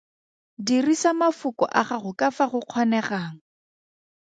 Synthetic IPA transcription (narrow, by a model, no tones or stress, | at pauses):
dirisamafʊkʼɔ̰ʔaχaχʊkʼafaχʊq͡χʰɔnɛχaːŋ̩